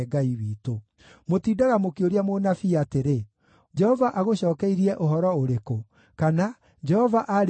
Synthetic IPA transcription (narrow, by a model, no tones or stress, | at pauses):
ɡaiwiːto | motiːdaɣamokioɾiamonafiateɾe | d͡ʒɛhɔvaʔaɣoɕɔːkɛiɾiɛʔoɦɔɾɔoɾeko | kana | d͡ʒɛhɔvaʔaɾ